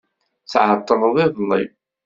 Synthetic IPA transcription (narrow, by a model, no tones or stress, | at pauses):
θʕət̪ˤːəɾˤəðˤɪðˤlːḭ